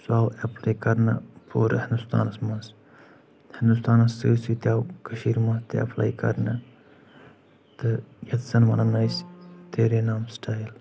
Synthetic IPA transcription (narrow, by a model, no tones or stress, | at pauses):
saːwepʰlajkɐɾnɐ̰pʰoːɾɐhɪnd̪ust̪ʰa̰ːnɐsmɐns | hɪnd̪ust̪aːnɐsɨːsit̪ʲaːwkɐʃiːɾmɐ̃nst̪eɐ̰pʰla̰jkɐ̰ɾnɐ | t̪ɨjɐt̪sɐnmɐnɐnɐjst̪eːɾenaːmsʈʰaːjl